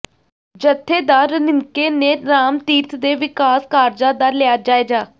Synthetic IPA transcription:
d͡ʒət̪ʰːeːd̪aːɾənɪŋkeːnẽːnaːmt̪iːt̪ʰd̪eːʋɪkaːskaːɾd͡ʒaːd̪aːlɪaːd͡ʒaːeːd͡ʒaː

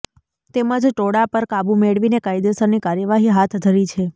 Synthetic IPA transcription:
t̪eməd͡ʒʈoɽapəɾkabumeɽʋinekajd̪esəɾnikaɾjəʋaɦiɦat̪ʰd̪ʱəɾit͡ʃʰe

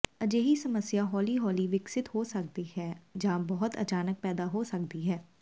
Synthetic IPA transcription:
əd͡ʒeːɦiːsəməsjaːɦɔːliːɦɔːliːʋɪksɪt̪ɦoːsək̚d̪iːhɛːd͡ʒãːbɔɦʊt̪ə̰t͡ʃaːnək̚pɛːd̪aːɦoːsəkd̪iːɦɛː

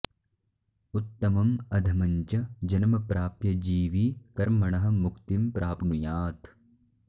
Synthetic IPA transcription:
ut̪ːɐmɐmɐd̪ʱɐmɐɲt͡ʃɐd͡ʒɐnɐmɐpɾaːpjɐd͡ʒiːʋikɐɾmɐɳɐɦɐ̆mukt̪impɾʔaːpnujaːt̪

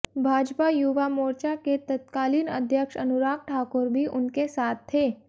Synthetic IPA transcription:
bʱaːd͡ʒpajuʋamoːɾt͡ʃaket̪ət̪kaːliːnə̰d̪ʱjəkʃɐ̰nʊɾaːk̚ʈʰaːkʊɾbʱiʔʊnkesaːt̪̚ʰːeː

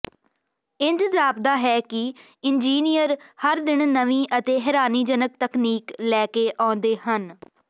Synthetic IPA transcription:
ɪnt̪ɪzaːb̚d̪aːɦɛːkɪ | ɪnd͡ʒiːnijəɾhəɾd̪ɪɳnəʋĩːʔət̪eːɦɛːɾaːniːd͡ʒənək̚t̪əkniːklɛːkeːʔãːʊnd̪eːɦən

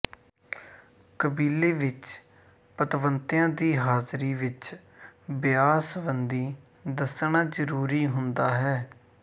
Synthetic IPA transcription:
kəbiːleːʋɪt͡ʃ | pət̪ʋənt̪ɪjãːd̪iːɦaːzɾiːʋɪt͡ʃ | bɪjaːsʋənd̪iː | d̪əsɳaːd͡ʒəɾuːɾiːɦʊnd̪aːɦɛː

